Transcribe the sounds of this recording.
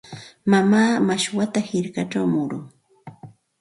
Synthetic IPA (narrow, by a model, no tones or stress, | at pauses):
mamaːmaʃwat̪ahɪɾkaʈ͡ʂawmʊɾʊŋ